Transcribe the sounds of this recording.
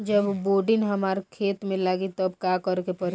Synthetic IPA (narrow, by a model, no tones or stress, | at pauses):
d͡ʒəbboːɖɪnɦɐmaːɾkʰeːt̪mẽlaːɡit̪əbkakəɾkepəɾ